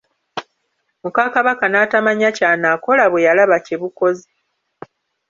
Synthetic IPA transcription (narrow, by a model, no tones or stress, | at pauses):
mukakaβakanaːtamaɲacaːnaːko̞laβwe̞jalaβaceβuko̞zi